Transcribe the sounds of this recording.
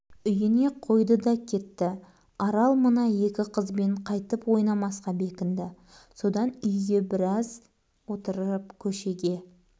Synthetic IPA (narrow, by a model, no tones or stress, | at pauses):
ʏjɪne̞qʰo̞jd̪əd̪ɑkʲʰe̞t̪ːɪ | ɑɾɑlˠmənɑje̞kʲɪqʰəzbe̞ɴqʰɑjt̪əpwo̞jnɑmɑsqɑbe̞kʲɪnd̪ɪ | so̞d̪ɑnʏjɡʲe̞bɪɾɑz | wo̞t̪əɾəpkʲʰɵʃe̞ɡʲe̞